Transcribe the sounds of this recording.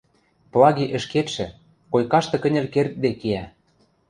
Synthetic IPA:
plɑɣiʔə̆ʃket̪ʃɘ̆ | kojkɑʃt̪ɤ̆kə̆nʲɘ̆lkert̪̚d̪ekiæ

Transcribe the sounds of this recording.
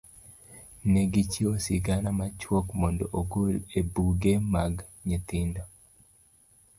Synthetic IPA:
neɡit͡ʃiosiɡanamat͡ʃwɔkmɔndɔʔoɡolebuɡemaɡ | ɲet̪ɪndo

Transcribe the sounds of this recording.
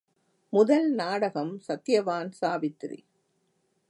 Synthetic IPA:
mʊðɐlnaːɽɐɣɐmsɐt̪ːjɐʋaːnsaːʋɪt̪ɾḭ

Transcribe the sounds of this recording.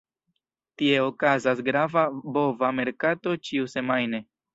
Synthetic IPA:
tie̞okazas̬ɡɾavabo̞vame̞ɾkato̞t͡ʃiuse̞majne̞

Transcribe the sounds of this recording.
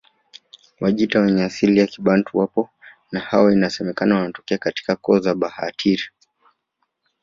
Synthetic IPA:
wʔaʄitawɛɲɛasilijakiɓan̩tuwapɔ | nahawainasɛmɛkanawanatɔ̥kɛakati̥kakɔzaɓaha̰tʰiɾi

